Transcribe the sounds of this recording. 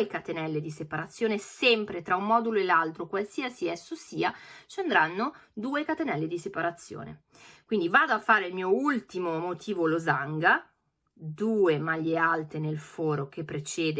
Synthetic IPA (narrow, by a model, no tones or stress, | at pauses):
ekat̪enɛlːed̪isepaɾat̪sːjoːnesɛmpɾet̪ɾaumːɔːd̪uloelalt̪ɾokwalsiasiɛsːosiːat͡ʃand̪ɾanːo | d̪uːekat̪enɛlːed̪isepaɾat̪sːjo̰ːnḛ | kwind̪ivaːd̪oafːaːɾeilmiːoult̪imomot̪ʰiːvolozaŋɡa | d̪uːemaʎːealt̪enelfɔːɾok̟epːɾet͡ʃɛːd̪